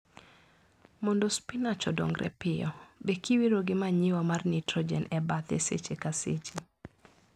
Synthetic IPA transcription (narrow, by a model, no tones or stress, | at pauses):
mɔndɔspinat͡ʃɔdɔ̰ŋɡɾʔɛ̰pɪɔbekiwiɾoɡɪmaɲɪwamarnɪtɾɔd͡ʒɛ̰nɛbat̪ḛsḛt͡ʃekaset͡ʃe